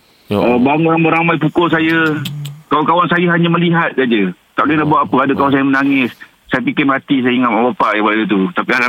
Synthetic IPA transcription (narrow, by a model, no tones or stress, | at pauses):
əbaŋəɾaŋmbəɾamajpukʊlsajə | kawakawansajaɦaɲaməliɦat̪̚sad͡ʒət̪aʔljənaʔbuat̪̚ːapəadəkawansajəmənaŋɪs | sajəp̬ikɪmat̪is̬ajəiŋat̪̚mabapaʔjabadət̪ut̪apiala